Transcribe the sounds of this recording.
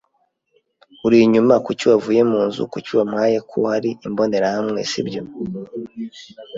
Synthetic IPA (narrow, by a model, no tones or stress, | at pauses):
uɾiɲumakucuwavuje̞muːnzṵkucuwamŋaːjekʰuhaɾiimbo̞ne̞ɾahamŋe̞̰sḭbjo̞